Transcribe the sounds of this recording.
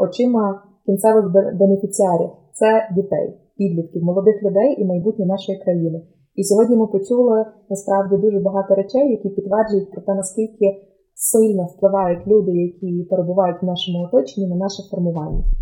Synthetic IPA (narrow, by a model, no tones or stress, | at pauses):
ɔt͡ʃɪmɐ | kʲint̪sɛʋɪɣbbenefʲit͡sʲiɑɾʲḭwt̪sɛdʲit̪ɛ̰j | pʲid̪lʲit̪̚kʲiwmɔlˠɔd̪ɪxlʲʊd̪ɛjʔimɐjbutʲnʲinɑʃɔjikɾɐjinɪ | isʲɔɦɔdʲnʲimɪpɔt͡ʃʲulˠɪnɐspɾɑwdʲid̪uʒɛbɐɦɑt̪ɔɾet͡ʃɛjːɐkʲipʲit̪ʋɛrd͡ʒʊjʊt̚ʲpɾɔt̪ɛnɐskʲilʲkɪ | sɪlʲnɔwplˠɪʋɑjʊtʲlʲud̪ɪjɐkʲʰipeɾebʊʋɑjʊtʲwnɑʃɔmʊɔt̪ɔt͡ʃɪnʲːinɐnɑʃɪfɔrmʊʋɑnʲːɐ